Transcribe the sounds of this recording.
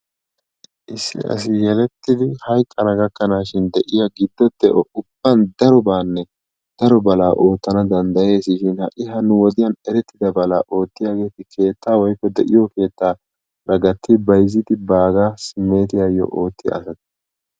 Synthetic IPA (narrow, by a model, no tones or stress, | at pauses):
ʔɪsːɪ̰ʔɐ̰s̬ɪjɛlɛt̪ːɪd̪ɪhɐjkʼːɐɾɐɡɐkːɐnaːʃɪnd̪ɛʔɪjɐɡɪd̪ːɔd̪ɛʔɔʊb̥ːɐnd̪ɐɾɔbaːnːɛ | d̪̥ɐɾɔbɐlaːʔo̞ːt̪ːɐnɐd̪ɐnd̪ɐje̞ːsɪʃɪnhɐʔɪɦɐnʊwɔd̪ɪjɐnɛɾɛt̪ːɪd̪ɐbɐla̰ːʔo̞ːt̪ːɪjaːɡe̞ːt̪ɪkʰe̞ːt̪ːaːwɔjkːɔd̪ɛʔɪjɔke̞ːt̪ːaː | ɾɐɡɐt̪ːɪbɐjzɪt̪ɪbaːɡaːsɪme̞ːt̪ɪjajːɔ̰ʔo̞ːt̪ːɪj̰ːsɐt̪